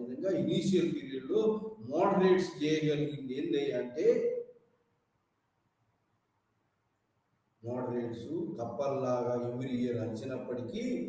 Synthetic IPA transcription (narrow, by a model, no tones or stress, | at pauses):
d̪ɐŋɡaːiniːʃijɐlpiːɾijɐɽlumaːɖɐɾe̞ːʈsd͡ʒɛːjɐd͡ʒɐliɡind̪eːnleːjɐɳʈe̞ː | maːɽɐɾe̞ːʈsuk̪ɐpːɐɾlaːɡaːemiɾid͡ʒɐɾɐɲt͡ʃinɐpːɐʈiki